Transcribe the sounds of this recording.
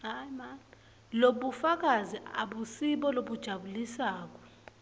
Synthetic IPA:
ajman | loɓufak̬aziʔaɓusiɓɔloɓud̥ʒ̥ʱaɓulisaːk̬ɔ̥

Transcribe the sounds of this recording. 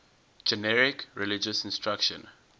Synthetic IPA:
d͡ʒɛnɛɹɪkɹɛlid͡ʒəsɪ̃nstʰɹakʃə̰̃n

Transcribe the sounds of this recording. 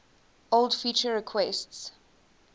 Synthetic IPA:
olˠdfit͡ʃəɹɛkʰwɛsts

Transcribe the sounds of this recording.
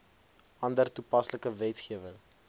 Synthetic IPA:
ʔɐndərtupɐsləkəvɛtχiəvəŋ

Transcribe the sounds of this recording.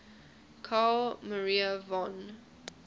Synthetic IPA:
kʰalməɹiəvɔ̃n

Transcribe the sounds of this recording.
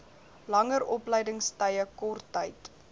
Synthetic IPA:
lɐŋəɾɔpləjdəŋstəjəkɔrtːəjt

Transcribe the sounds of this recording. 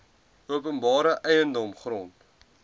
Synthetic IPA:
uəpənbɑːɾəʔɛjəndɔmχrɔnt

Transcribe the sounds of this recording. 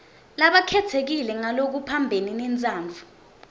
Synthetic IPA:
laɓakʰɛtʰek̬ilɛŋalok̬upʰambʱeninɛnt͡sʼaːnd͡vʱu

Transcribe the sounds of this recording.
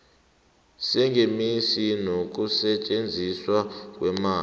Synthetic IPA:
sɛŋʱemisinok̬usɛt͡ʃʼend͡zʱiswak̬ʼwɛmaː

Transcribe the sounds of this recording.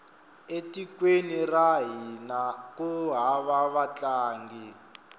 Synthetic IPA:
etikweniraɦinakuɦaβaβat͡ɬaːŋɡi

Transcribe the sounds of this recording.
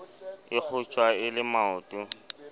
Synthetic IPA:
ɪk͡xʰʊt͡ʃʼwaɪlɪmaʊːtʼʊ

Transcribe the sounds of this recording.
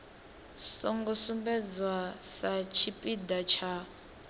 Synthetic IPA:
sɔŋɡɔsumbɛd͡zwasat͡ʃʰipʼidat͡ʃʰa

